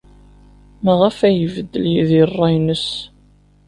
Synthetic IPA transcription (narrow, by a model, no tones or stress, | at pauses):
mæʁæfæjəvəd̪ːəljiðirˤːɑjnəs